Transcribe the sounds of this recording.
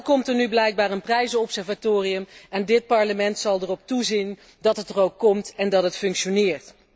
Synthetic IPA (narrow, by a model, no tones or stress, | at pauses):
kɔmtəɹnyblɛjɡ̚baːɹənprɛjzəɔpsɛɹvatoːrijəmɛndɪt̚pɑɹləmɛntsɑlˠdərɔp̚tuzin | dɑtɦətərowkːɔmtɛndɑtɦətfɵŋkʃonɪːɹt